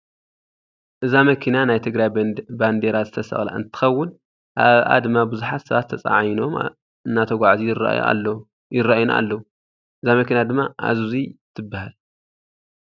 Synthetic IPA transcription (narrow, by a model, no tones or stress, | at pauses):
ʔɨzamɐkʰinanajt̪ʰɨɡɾajband̪eɾazɨt̪ʰɐsɐ̰xʼla̰ɨ̰nt̪ʰɨ̥xɐwːʊn | ʔaβʔa̰d̪ɨmːabɨzuħat̪sɐβat̪ʰːɐt͡sʼa̰ʕajno̞m | ɨnːat̪ʰɐɡʷaʕzḭ | jɪraʔajunaa̰lːɐwu | ʔɨzamɐkinad̪ɨmːaʔa̰zuzit̪ʰɨbːahal